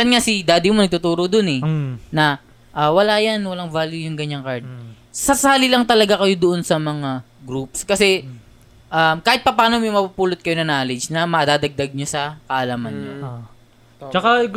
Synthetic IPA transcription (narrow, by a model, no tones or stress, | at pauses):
ɐnŋasɪd̪aːd̪ɪmonɐɡ̚t̪ʊt̪uːɾod̪onɛnɐ | ʔawɐlaːjanwɐlaŋvaːljʊjʊŋɡɐɲaŋkɐɹd̪̚ | sɐsaːlɪlɐŋt̪ɐlɐɡakɐjo̞d̪oʔo̞nsɐmɐŋaɡɾupskɐsɛ | ʔamkaːhɪt̪̚pɐpaːnomɛmɐpupuːlot̪̚kɐjonɐnaːlɛd͡ʒnɐmɐd̪aːd̪ɐɡ̚d̪ɐɡ̚ɲosɐkɐʔɐlamɐnɲo | t͡ʃɐka